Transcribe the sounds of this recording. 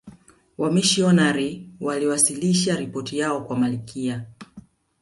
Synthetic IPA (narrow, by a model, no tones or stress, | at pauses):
wamiʃiɔnaɾiwaliwasiliʃaɾipɔtijaɔkwamalikʰia